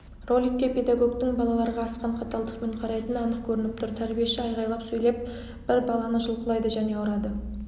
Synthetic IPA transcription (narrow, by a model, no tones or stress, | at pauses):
ro̞lʲijkʲːe̞pʰe̞d̪aɡo̞ɡt̪ɪŋbɑlˠɑlˠɑɾəʁɑːsqɑɴqʰɑt̪ɑlˠd̪əqme̞ɴqʰɑɾɑjt̪ənɑnəq̚kʲʰɵɾɪnɪp̚t̪ʰʊɾt̪ʰæɾbije̞ʃɪɑjʁɑjlˠɑpsɵjle̞p̚ | b̥ɪɾbɑlˠɑnəʒʊlˠqəlˠɑjd̪əʒæne̞ɑwɾɑd̪ə